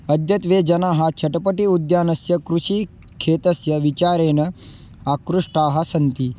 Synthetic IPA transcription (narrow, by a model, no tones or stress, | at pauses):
ɐd̪jɐt̪ʋeːd͡ʒɐnaːɦɐt͡ʃʰɐʈɐpɐʈiud̪jaːnɐsjɐkɾuʃiː | kʰeːt̪ɐsjɐʋit͡ʃaːɾeːnɐ | akɾuʂʈaːɦɐsɐnt̪i